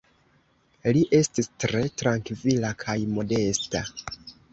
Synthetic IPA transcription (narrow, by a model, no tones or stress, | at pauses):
liʔe̞stistɾe̞tɾaŋkvilakʰajmo̞de̞sta̰